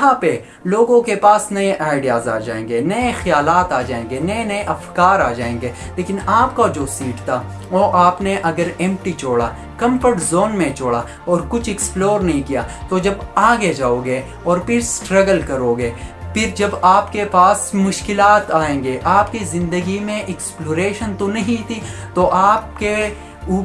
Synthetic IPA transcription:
ɦãpe | loːɡõkepaːsnɐeʔaːɪɖijaːza̰ːd͡ʒa̰ːẽːŋɡenɐexɐjaːlaːt̪aːd͡ʒaːẽːŋɡenɐenɐeʔɐfkaːɾaːd͡ʒaːẽːŋɡeː | leːkɪnaːpkad͡ʒoːsiːʈt̪ʰa | oːʔaːpneʔɐɡəɾɛ̃ːm̚ʈit͡ʃoːɽa | kɐ̃mpəʈzoːnmẽt͡ʃoːɽa | ɔːɾkʊt͡ʃʰɪksploːɾnɐɦĩkijaːt̪od͡ʒɐbaːɡed͡ʒaːoːɡe | ɔːɾpɪɾsʈɾɐɡəlkɐɾoːɡeːpʰɪɾd͡ʒɐbaːpkepaːsmʊʃkɪlaːt̪aːẽːŋɡeʔaːpkizɪ̃nd̪əɡimẽʔɛksploːɾeːʃənt̪onɐɦĩt̪ʰit̪oʔaːp̚ke | uː

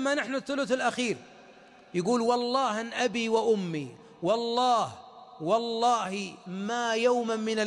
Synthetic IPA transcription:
mːanaħnʊθːʊlʊθɪlʔaxiːɾ | jaɡuːlwɑlˤːɑːhanʔabiwɪʔʊmːi | wɑlˤːɑːhwɑlˤːɑːhmaːjawmamɪna

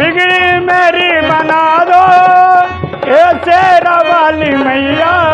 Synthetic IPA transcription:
bɪɡɽimeːɾibɐnaːd̪o | eseɾabaːlimɐjjaː

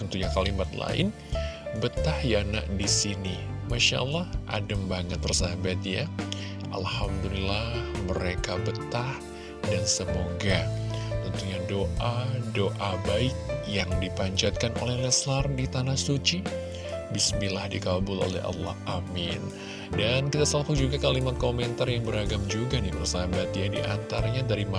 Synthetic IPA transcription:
unt̪uɲakalimat̪la̰ɪ̰n | bət̪ahjana̰ʔdisinimaʃa̰ʔlːɑhʔa̰dəmbaŋət̪ːərsabat̪ja | ʔa̰lhamdulilahməɾekabət̪ah | dansəmoɡat̪ənt̪uɲadoʔadoʔabaɪk̚jaŋdipaɲt͡ʃat̪̚kanʔo̰lɛhlɛslardit̪anahsut͡ʃi | bisbilahdikabʊlo̰lɛ̰ɦʔɑ̰lːɑ̰hʔamɪn | dankit̪asəlakud͡ʒuɡakalimat̪̚komɛnt̪arjaŋbəɾaɡamd͡ʒuɡanibərsabat̪jadiʔa̰nt̪arɲadaɾima

